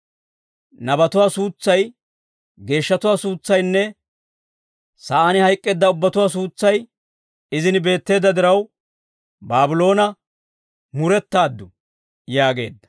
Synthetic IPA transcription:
nɐbɐt̪ʊwaːsuːt͡sːɐj | ɡe̞ːʃːɐt̪ʊwaːsuːt͡sːɐjnːɛ | sɐʔanɪhɐjkʼːeːd̪ːɐʊbːɐt̪ʊwaːs̬uːt͡sːɐj | ɪzɪnɪbe̞ːt̪ːe̞ːd̪ːɐd̪ɪɾɐw | baːbɪlo̞ːnɐ | mʊɾɛt̪ːaːd̪ːʊ | jaːɡe̞̰ːd̪ːɐ̥

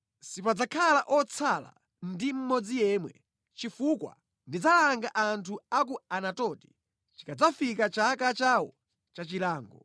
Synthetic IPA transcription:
sipad͡zakʰalaʔɔt͡sʰala̰ | ndim̩mɔd͡zijɛmwɛ | t͡ʃifukwa̰ | ndid͡zalaaŋɡaʔantʰuakuanatɔti̥ | t͡ʃi̥kad͡zafikat͡ʃakat͡ʃawɔ | t͡ʃat͡ʃilaːŋɡɔ

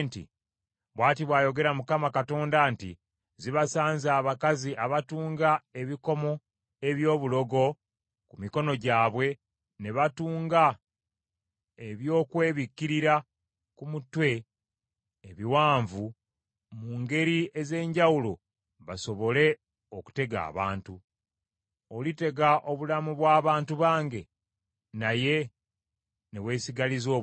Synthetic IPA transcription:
ntḭ | βwaːtiβwaːjo̞ɡe̞ɾamukamakato̞ːndantḭ | ziβasaːnzaːβakaziʔaβatuːŋɡae̞βiko̞mo̞ | e̞βjo̞ːβulo̞ɡo̞ | kumiko̞no̞ɟaːβwe̞ | ne̞βatuːŋɡa | eβjo̞ːkwe̞ːβikːiɾiɾa | kumutwe̞ | βiwaːɱvu | muːŋɡe̞ɾieze̞ːɲɟawulo | βaso̞βo̞le̞ | o̞ku̥te̞ɡa̰ːβa̰ːntu | o̞lite̞ɡaʔo̞βulamuβwaːβaːntuβaːŋɡe̞ | naje̞ | ne̞we̞ːsiɡalizo̞ː

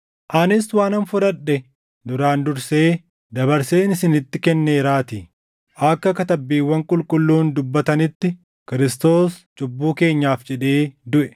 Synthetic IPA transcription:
ʔɐnɪswaːnɐnfʊɾɐᶑːɛ | d̪ʊɾaːnd̪ʊɾse̞ː | d̪ɐbɐɾse̞ːnɪsɪnɪt̪ːɪkɛnːe̞ːɾaːt̪ɪ | ʔɐkːɐkɐt̪ɐbːiːwːɐŋkʼʊlkʼʊlːuːnd̪ʊbːɐt̪ɐnɪt̪ːɪ | kɪɾɪst̪o̞ːst͡ʃʼʊbːuːke̞ːɲːaːfd͡ʒɛᶑeːd̪ʊʔɛ̥

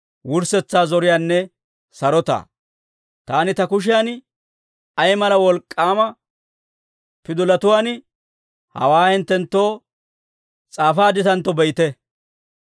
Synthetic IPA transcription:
wʊɾsɛt͡sːaːzɔɾɪjaːnːɛ | sɐɾɔt̪a̰ː | t̪aːnɪt̪ɐkʊʃ̬ɪjaːn | ɐjmɐlɐwɔlkʼːaːmɐ | pɪd̪ʊlɐt̪ʊwaːn | hɐ̰waːhɪnt̪ːɛnt̪ːo̞ː | t͡sʼaːfaːd̪ɪt̪ɐnt̪ːɔbɛjɪt̪ɛ

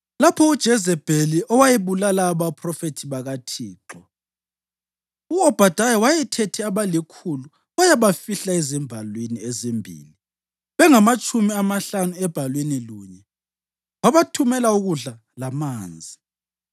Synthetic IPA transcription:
lapʰɔud̥ʒ̥ʱɛzɛb̥ʱeliʔɔwajiβulalaːβapʰrɔfetʰiβaɣatʰiːǃɔ | uɔb̥ʱad̥ʱajɔwajɛtʰɛtʰɛaβalikʰulu | wajaβafiɬaezimbʱalweniezimbʱḭli | βɛŋamat͡ʃʼumiamaɬanuɛb̥ʱalweniluːɲɛ | waβatʰumɛlauɣuɮa | lamaːnd͡zʱi

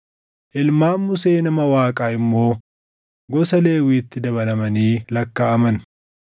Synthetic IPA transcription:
ʔɪlmaːmːʊseːnɐmɐwaːkʼaːɪmːo̞ː | ɡɔsɐle̞ːwiːt̪ːɪd̪ɐβɐlɐmɐniːlɐkːaɐmɐn

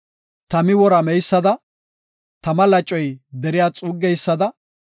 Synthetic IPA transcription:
t̪ɐmɪwɔɾɐmɛjsːɐd̪ɐ | t̪ɐmɐlɐt͡ʃʼːɔjd̪ɛɾɪjaːt͡sʼuːɡːɛjsːɐd̪ɐ

